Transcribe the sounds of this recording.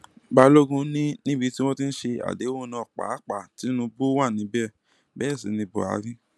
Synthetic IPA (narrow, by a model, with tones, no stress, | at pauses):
ba˧lo˦ɡũ˧nĩ˦nĩ˦bi˧ti˦w̃ɔ̃˦ti˦n̩˦ʃe˧a̰˨de˨˦wo˦˨˦nã˧˦ɔ˨k͡pa̰˨˦k͡pa˨ti˨˦nũ˧bu˦wa˦˨nĩ˨˧˦bɛ˦˨ | bɛ˦˨si˨˦nĩ˧bo̰˨a̰˨˦ɾĩ˦